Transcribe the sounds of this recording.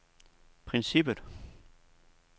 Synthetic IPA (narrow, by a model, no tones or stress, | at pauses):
pʰʁɛnsib̥əð̥ˠ